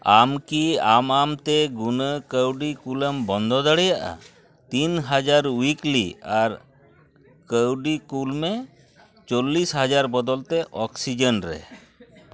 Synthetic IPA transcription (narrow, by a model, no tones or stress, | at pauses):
amkiamamt̪ɛɡunəkəwɖikuləmbɔnd̪ʱɔd̪aɽɛjaʔa̰ | t̪inɦad͡ʒaɾwikliaɾ | kəwɖikulme | t͡ʃɔlːisɦad͡ʒaɾbɔd̪ɔlt̪ɛʔɔksid͡ʒənɾɛ̰